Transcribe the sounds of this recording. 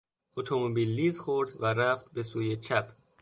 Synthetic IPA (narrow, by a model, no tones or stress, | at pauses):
ʔot̪ʰomobilːiːzxoɾd̪væɾæft̪̚be̞suːjet͡ʃʰæpʰ